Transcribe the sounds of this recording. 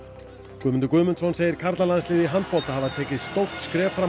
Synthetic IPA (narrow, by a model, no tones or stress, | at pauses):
kʏːmʏnt̪ʏkʏːmʏnt̪sɔnseːjɪɾ̥kʰaɾt̪lalanslɪːðɪɦant̪̚pɔlt̪ahavaðt̪ʰɛːcɪðst̪owht̪skɾɛːfɾa